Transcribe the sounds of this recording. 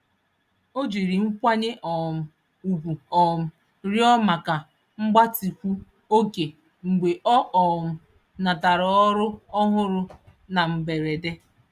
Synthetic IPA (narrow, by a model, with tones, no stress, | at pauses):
o˦d͡ʒi˨ɾi˨ŋ͡m̩˦kʷa˦ɲɪ˦ʔɔ˨m̩˨ | u˨ɡʷu˨ɔ˨m̩˨ | ɾjɔ˦ma˨ka˨ | ŋ͡m̩˦ɡ͡ba˦ti˨kʷu˦ | o˦ke˨ | ŋ͡m̩˨ɡ͡be˨ʔɔ˦ʔɔ˨m̩˨ | na˨ta˨ɾɔ˨ɔ˦ɾʊ˦ɔ˦ɦʊ˦ɾʊ˦ | na˨m̩˨be˨ɾe˨de˦